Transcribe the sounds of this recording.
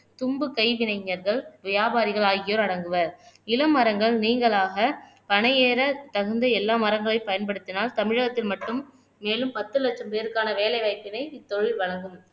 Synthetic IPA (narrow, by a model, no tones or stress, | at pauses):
t̪ʊmbɯkɐɪʋɪnɐɪɲːɐɾɣɐɭʋɪjaːbaːɾɪɣɐɭaːɣɪjoːɾɐɽɐŋɡɯʋɐɾɪlɐmːɐɾɐŋɡɐɭniːŋɡɐɭaːɣɐ | pɐnɐjeːɾɐt̪ɐɣɯnd̪ɐɛlːaːmɐɾɐŋɡɐɭɐɪpɐjɐnpɐɽɯt̪ːɪnaːlt̪ɐmɪɻɐɣɐt̪ːɪlmɐʈːɯmː | eːlɯmpɐt̪ːɯlɐʈ̚t͡ʃɐmpeːɾɯkːaːnɐʋeːlɐɪʋɐɪpːɪnɐɪɪt̪ːɔɻɪlʋɐɻɐŋɡɯm